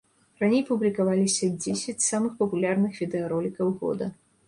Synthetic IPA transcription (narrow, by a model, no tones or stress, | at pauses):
ranʲejpublʲikavalʲisʲɐd͡zʲesʲɐt͡sʲsamɨxpɐpulʲarnɨxvʲid̪ɛɐɾɔlʲikɐwɣɔ̰d̪ɐ